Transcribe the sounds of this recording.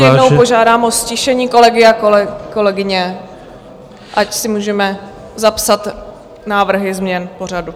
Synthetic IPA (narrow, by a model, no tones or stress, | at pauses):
jɛdno̞wpo̞ʒaːdaːmʔosciʃɛɲiːko̞lɛɡɪakoko̞lɛɡɪɲɛ | ʔacsɪmuːʒɛmɛ | zapsat̪ | naːvr̩ɦɪzmɲɛnpo̞r̝adu